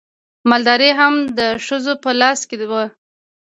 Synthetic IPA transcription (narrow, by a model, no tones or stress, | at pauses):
mɑld̪ɑɾeɦamd̪əʃəzopəlɑsked̪wə